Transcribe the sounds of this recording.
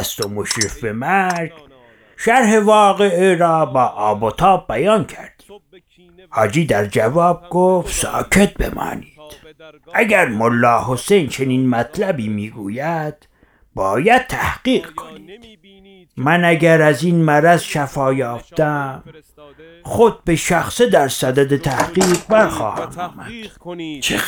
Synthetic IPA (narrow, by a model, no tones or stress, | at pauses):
st̪omoʃɾifbemæɾɡ | ʃæɾhevɒːɣeiɾɒːbɒːʔːbot̪ʰɑːb̚bæjɑːnkʰæɾd̪̥i̥ːm | hɑːd͡ʒiːd̪æɾd͡ʒævɑːb̚ɡ̥ofsɑ̰ːcʰet̪̚bḛmɑ̰ːniːd̪̥ʔæɟæɾmolːɑːhosejnt͡ʃʰe̞niːnmæt̪ʰlæbiːmiːɡuːjæd̪̥ | bɒːjæd̪̚t̪ʰæhɢiːɢkʰo̥niːd̪̥ | mænæɟæɾæziːnmæɾæzʃæfɒːjɒːft̪æm | xod̪̚be̞ʃæxsed̪æɾsæd̪æd̪et̪ʰæhqiːqbæɾxɒ̰ːhæ̰mɑːmæd̪̥t͡ʃʰe